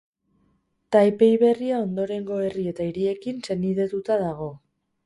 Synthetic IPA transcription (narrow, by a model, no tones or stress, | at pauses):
t̪ajpe̞jβe̞riao̞nd̪o̞ɾe̞ŋɡo̞e̞rie̞t̪aiɾie̞kinse̞niðe̞t̪ut̪aðaɣ̞o̞